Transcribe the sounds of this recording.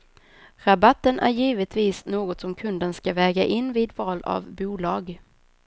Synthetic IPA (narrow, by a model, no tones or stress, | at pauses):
ɾabat̪ːənʔæ̰ɾjiːvət̪viːsnoːɡɔt̪sɔmkʰɵnd̪ənskavɛːɡaʔɪnːviːd̪vɑːla̰vbuːlɑːɡ